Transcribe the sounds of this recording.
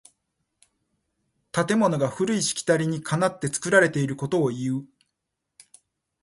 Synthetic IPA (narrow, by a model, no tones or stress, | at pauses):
t̪at̪e̞mo̞no̞ɡaɸɯ̟ɾɯ̟iɕi̥kʲi̥t̪aɾʲiɲ̟ikʰanat̪ːe̞t͡sɨ̥kɯ̟ɾaɾe̞t̪e̞iɾɯ̟ko̞t̪o̞ːiɯ̟